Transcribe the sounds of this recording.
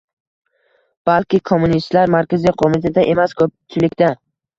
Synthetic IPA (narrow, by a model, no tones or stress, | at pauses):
b̥alkʲɪkʰomːunist̪laɾmaɾkʲazijqʰomɪt̪ʰad̪aʔe̞maskʰɵp̚t͡ʃʰɪlɪkʲt̪a